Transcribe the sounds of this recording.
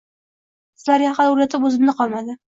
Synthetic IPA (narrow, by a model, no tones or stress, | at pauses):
sɪzlaɾjaχad̪ʊɾat̪ʰɪpɵzɪmnɪqʰɒlˠmad̪ɪ